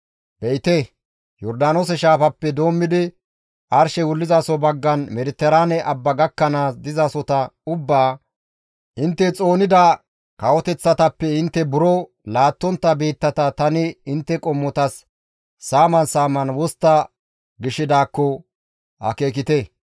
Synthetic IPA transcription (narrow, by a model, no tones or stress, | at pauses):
b̥ɛɪt̪e | jɔɾd̪aːnoːs̬ɛʃaːfɐpːɛd̪o̞ːmːɪd̪ɪ | ʔɐɾʃɛwʊlːɪzaːsɔbɐɡːɐnmɛɾɪt̪ːɛɾanɛʔɐbːɐɡɐkːɐnaːsd̪ɪzasɔt̪ɐʊbːaː | ʔɪnt̪ːɛt͡sʼo̞ːnɪd̪ɐ | kɐwɔt̪ɛt͡sːɐt̪ɐpːɛɪnt̪ːɛbʊɾɔ | laːt̪ːɔnt̪ːɐbeːt̪ːɐt̪ɐt̪ɐnɪɪnt̪ːɛkʼɔmːɔt̪ɐsː | aːmɐnsaːmɐnwɔst̪ːɐ | ɡɪʃːɪd̪aːkːɔ | ɐ̰ke̞ːk̬ɪt̪ɛ